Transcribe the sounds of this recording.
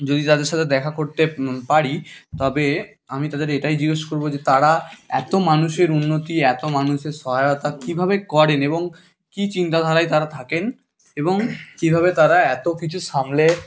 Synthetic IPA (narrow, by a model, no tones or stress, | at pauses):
d͡ʑod̪it̪ad̪eɾʃat̪ʰed̪ɛkʰakoɾt̪epaɾit̪ɔbe | amit̪ad̪eɾeʈajd͡ʑiɡeʃkoɾbod͡ʑet̪aɾaɛt̪omanuʃeɾunːot̪iɛt̪omanuʃeɾʃɔɦajot̪akibʱabekɔɾeneboŋ | kit͡ɕint̪ad̪ʱaɾajt̪aɾat̪ʰaken | eboŋkibʱabet̪aɾaɛt̪okit͡ɕʰuʃamle